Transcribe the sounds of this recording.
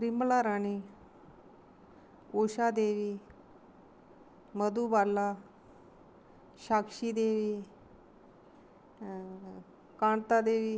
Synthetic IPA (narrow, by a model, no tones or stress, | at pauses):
ɾimblaɾaɽ̃i | oɕad̪eʋiː | məd̪uːbalːa | ɕakʂid̪eʋiː | kaɳt̪ad̪eʋiː